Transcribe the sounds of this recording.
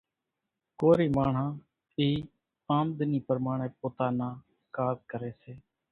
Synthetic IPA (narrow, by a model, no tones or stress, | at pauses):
koːɾiːmaːɳ̤ɦãː | iː | ãːmd̪niːpəɾmaːɳeːpoːt̪aːnaː | kaːzkəɾeːseː